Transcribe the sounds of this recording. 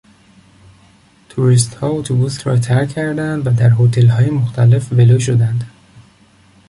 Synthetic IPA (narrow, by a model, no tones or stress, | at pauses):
t̪ʰuɾist̪hɒːot̪ʰobuːsɾɒ̰ːt̪ʰæɾcʰːæɾd̪ænd̪væd̪æɾɦot̪ʰe̞lɦɒːjemoxt̪ʰæle̞fveloːʃ̬od̪ænd̪